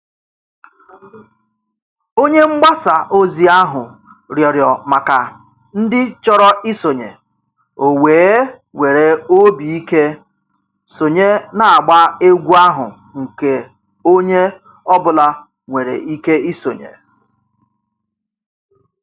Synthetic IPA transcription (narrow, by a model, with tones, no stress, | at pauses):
o˦ɲe˦ŋ͡m̩˦ɡ͡ba˦sa˨ʔo˦zi˨a˦ɦʊ˨ | ɾjɔ˨ɾjɔ˨ma˨ka˨ | n̩˦dɪ˦t͡ʃɔ˦ɾɔ˦ɪ˦so˨ɲḛ˨ | o˨weː˨˦ | ŋʷe˨ɾe˨o˦bi˨i˦ke˦ | so˨ɲe˦na˨a˨ɡ͡ba˦e˦ɡʷu˦a˦ɦʊ̰˨ | ŋ̩˨ke˨ | o˦ɲe˦ | ɔ˦bʊ˨la˦ | ŋʷe˨ɾḛ˨ʔi˦ke˦i˦so˨ɲḛ˨